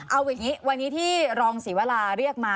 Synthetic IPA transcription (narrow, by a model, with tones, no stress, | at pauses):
ʔa˧wja˨˩ŋiː˦˥wa˧nːiː˦˥t̪ʰiː˥˩ɾɔː˧ŋsiː˩˦wa˧laː˧ɾi˥˩ək̚maː˧˥